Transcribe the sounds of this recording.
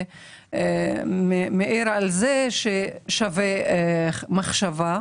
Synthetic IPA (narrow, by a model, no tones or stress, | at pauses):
memeʔiɾalzeʃeʃave | maχʃava